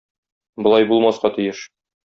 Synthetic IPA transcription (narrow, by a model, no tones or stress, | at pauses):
bŏlˠɑjbulˠmɑsqɑt̪ijɘʃ